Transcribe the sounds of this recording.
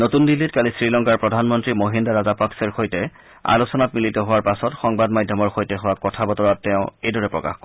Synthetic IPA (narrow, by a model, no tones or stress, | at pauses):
notundilːitkalisɹilɔŋkaɹpɹɔdʱanmɔntɹimoɦindaɹazapaksɛɹxojtɛ | a̰lusɔnatmilitɔɦʊwaɹpasɔtxɔŋbadmadʱjɔmɔɹxojtɛɦʊwakɔtʰabɔtɔɹatːɛʊ̃ejdɔɹɛpɹɔka̰xkɔ